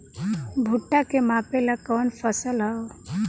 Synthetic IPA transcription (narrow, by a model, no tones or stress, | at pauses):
bʱuʈːakemapelakɔːnpʰəsəlɦao